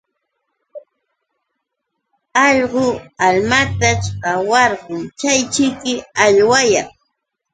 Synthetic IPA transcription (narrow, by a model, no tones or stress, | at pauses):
ɑʎɢʊalmat̪at͡ʃɢɑwɑɾɢʊmt͡ʃajt͡ʃɪkɪaʎwajɑŋ